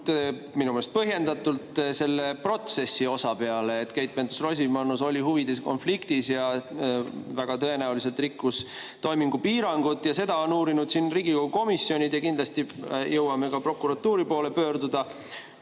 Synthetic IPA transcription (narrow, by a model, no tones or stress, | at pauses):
t̪ | minumelest̪̚pɤɦje̞nd̪ɑt̪ːˑult̪se̞lːe̞pro̞t̪se̞sːio̞sɑpe̞ɑleːt̪kejt̪̚mend̪usros̬ʲimɑnuso̞lʲiɦuvid̪̥esko̞̰nflikt̪isjɑ | væɡ̥ɑt̪ɤ̞e̞næulis̬e̞lt̪rikːus | t̪o̞jmiŋɡ̥upiːɾɑŋɡ̥ut̪ːˑjɑse̞d̪ɑo̞nuːɾinud̪̥sinriːɡ̥iko̞ɡ̥uko̞misːio̞nʲid̪jɑkind̪lɑst̪ijɤwɑme̞kɑpro̞kːˑuɾɑt̪ːuːɾipo̞ːle̞pøːɾd̪ud̪̥ɑ